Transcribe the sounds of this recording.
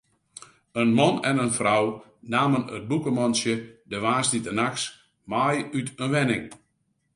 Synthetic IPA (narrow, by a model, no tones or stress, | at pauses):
ənmɔnɛnənfraw | naːmənət̚bukəmɔnsjədəʋaːsditənaks | majytʰənʋɛnɪŋ